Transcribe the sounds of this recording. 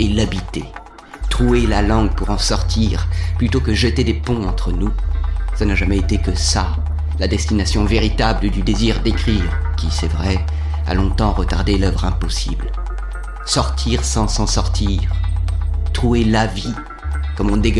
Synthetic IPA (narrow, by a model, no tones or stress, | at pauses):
elabit̪e | t̪χuelalɑ̃ɡpuʁɑ̃sɔʁt̪ʰiʁplyt̪okəʒət̪ed̪epɔ̃ɑ̃t̪χənusanaʒamɛet̪ekəsa | lad̪ɛst̪inasjɔ̃veʁit̪abləd̪yd̪eziʁd̪ekχiʁkʲisɛvʁɛ | a̰lɔ̃t̪ɑ̃ʁət̪aʁd̪elœvʁɛ̃pɔsḭbl | sɔʁt̪ʰiʁsɑ̃sɑ̃sɔʁt̪ʰiʁ | t̪χuelavi | kɔmɔ̃d̪e